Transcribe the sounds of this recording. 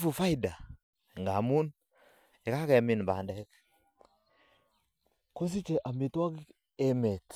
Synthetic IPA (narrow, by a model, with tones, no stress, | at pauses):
fu˨fa˦i˨da˨ | ŋɡa˨mu˦n | e˨ka˦kɛ˨mi˨nba˨ndɛ˨˦k | ko˦s̬i˦t͡ʃe˨ʔa˨mi˨twa˦k | e˨me˨t